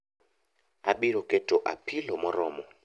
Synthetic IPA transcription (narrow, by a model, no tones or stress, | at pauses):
aɓiɾɔɡ̥ʱɛd̥ʱɔʔa̰pʰilɔmɔɾɔːmɔ